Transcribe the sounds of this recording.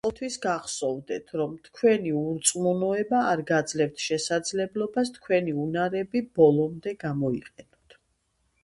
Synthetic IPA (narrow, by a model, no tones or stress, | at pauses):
ɔlˠt̪ʰwisɡaχsɔvd̪ɛt̪ʰɾɔmt̪ʰkʰwɛniuɾt̪sʼmunɔɛbaːɾɡad̪zlɛft̪ʰʃɛsad̪zlɛblˠɔbast̪ʰkʰwɛniunaɾɛbib̥ɔlˠɔmd̪ɛɡamɔḭqʼɛnɔt̪ʰ